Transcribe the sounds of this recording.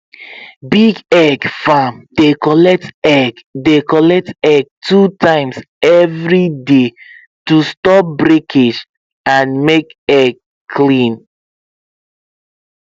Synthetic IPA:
biɡɛɡfãmdekɔlɛk̚tɛɡdekɔlɛk̚tɛɡ̚tʰutãɪ̃ms | ɛvɹide | tustɔp̚bɹikʰed͡ʒ | ãnmekɛɡ | kʰlĩn

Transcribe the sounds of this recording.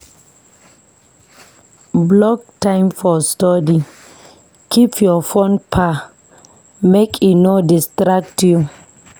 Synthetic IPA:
blɔk̚tãɪ̃mfɔstɔdi | kʰipjɔfõnpʰa | mekʰunodistɹak̚tʰju

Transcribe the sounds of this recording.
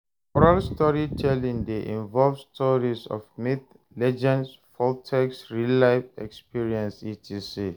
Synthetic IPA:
ɔɹalstɔɹitʰɛlĩŋdeʔḭ̃ɱvɔlvstʰɔɹisɔ̰fmiθ̚ | lɛd͡ʒɛ̃ns | fɔltʰɛksɹilaɪfɛ̰kspiɹiɛ̃nsitʰisi

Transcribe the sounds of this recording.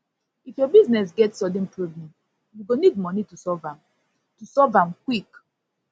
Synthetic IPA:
ifjɔbiznɛs̬ɡɛtsɔdẽnpɹoblɛ̃m | juɡonid̚mɔnitusɔvãm | tusɔvãmkwik

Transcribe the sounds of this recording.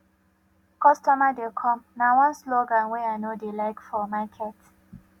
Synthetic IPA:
kɔstɔmadekʰɔ̃mnawãnsloɡãnwɛaɪnodelaɪkfɔmakʰɛt

